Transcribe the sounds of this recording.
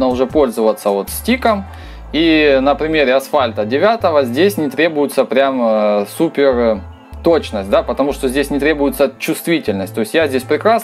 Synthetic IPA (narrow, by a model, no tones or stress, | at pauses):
nəʊʐɛpo̞lʲzəvət̪sːəvo̞t̪sʲtʲikəm | inəpɾʲɪmʲeɾʲɪɐsfalʲt̪ədʲɪvʲat̪əvəzʲdʲesʲnʲɪt̪ɾʲe̞bʊjɪt̪səpɾʲamsupʲɪr | t̪o̞t͡ɕnəsʲtʲd̪apət̪ɐmuʂt̪o̞zʲdʲesʲnʲɪt̪ɾʲe̞bʊjɪt̪sət͡ɕːʊst̪vʲitʲɪlʲnəsʲtʲt̪o̞ɪsʲtjazʲdʲesʲpɾʲɪkɾas